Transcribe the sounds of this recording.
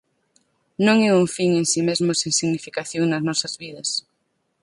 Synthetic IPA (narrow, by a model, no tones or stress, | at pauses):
nõŋɛuŋfiŋensimezmoseŋsiɣnifikaθjoŋnɐznɔsɐzβiðɐs